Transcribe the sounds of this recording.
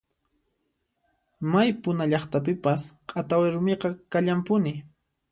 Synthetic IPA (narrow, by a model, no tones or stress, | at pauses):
majpʊnaʎɑχt̪ap̬ɪpasqʼat̪awaɾʊmeqɑkaʎampʊnɪ